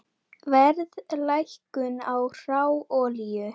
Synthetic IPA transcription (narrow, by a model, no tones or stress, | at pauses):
vɛɾðlajhkʏnawr̥awɔːljʏ